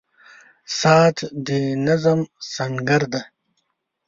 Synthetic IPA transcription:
saːt̪ʰd̪inɐzɐmsɐŋɡɐɾd̪ɐ

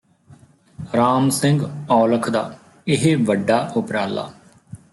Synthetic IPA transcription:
ɾaːmsɪ̃ŋɡɔːləkʰd̪a̰ː | ɪɦeʋəɖaːʔʊpɾaːla̰ː

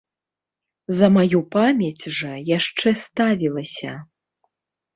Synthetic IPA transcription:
zɐmajupamʲjɛt͡sʲʐɐjaʂt͡ʂɛst̪avʲilˠɐsʲɐ

